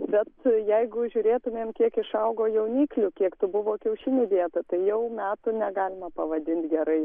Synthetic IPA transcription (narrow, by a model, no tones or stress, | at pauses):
bʲɛt̪jɛɪɡʊʒʲʊɾʲeːt̪ʊmʲeːmkʲiɛkɪʃɐʊɡoːjɛʊnʲiːklʲʊkʲiɛkt̪ʊbʊʋoːkʲɛʊʃʲɪnʲɪʋʲiɛt̪ɐt̪ɐɪjɛʊmʲæːt̪ʊnʲɛɡɑːlʲɪmɐpɐʋɐd̪ʲɪnʲt̪ʲɡʲɛɾɐɪ